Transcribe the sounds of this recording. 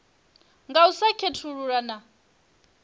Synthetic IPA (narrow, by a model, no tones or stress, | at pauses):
ŋɡausakʰetʰuɺuɺana